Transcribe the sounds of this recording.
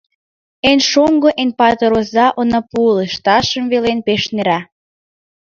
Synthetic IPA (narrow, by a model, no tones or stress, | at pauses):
enʃomɡoʔenpɑt̪əɾozɑʔonɑpuleʃt̪ɑʃə̆mvelenpeʃneɾɑ